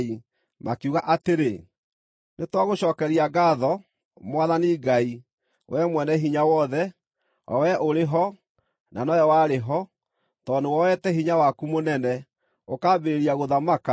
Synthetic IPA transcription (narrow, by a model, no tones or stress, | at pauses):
i | mʔa̰kuɣaʔateɾe | netwaɣoɕɔːkɛɾiaɡaðɔ | mwaðaniɡai | wʔɛmwɛnɛɦiɲawɔðɛ | ɔ̰wɛʔoɾeɦɔ | nanɔjɔwaːɾeɦɔ | tɔːndowɔwɛtɛɦiɲawakumonɛnɛ | okabeɾeɾiaɣoðamaka